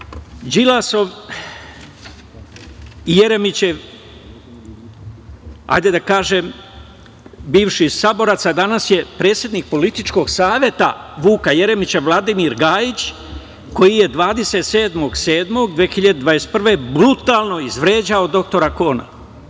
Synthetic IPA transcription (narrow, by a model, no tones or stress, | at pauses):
d͡ʒilaso̞ʋ | ije̞ɾemit͡ɕe | a̰jd̪e̞d̪akaːʒe̞m | biːʋʃisabo̞ɾat̪sad̪anasje̞pɾe̞ːt̪sje̞d̪nik̚po̞lit̪it͡ʃko̞ɡsaːʋje̞t̪a̰ʋuːkajeɾe̞mit͡ɕaʋlˠad̪imiɾɡaːjit͡ɕ | ko̞jije̞d̪ʋaːd̪e̞se̞t̪se̞ːd̪mo̞ɡse̞ːd̪mo̞ɡd̪ʋexiʎad̪ed̪ʋajest̪̚pr̩ʋe̞bɾut̪alˠno̞izʋɾeːd͡ʑao̞d̪o̞k̚t̪o̞ɾako̞ːna̰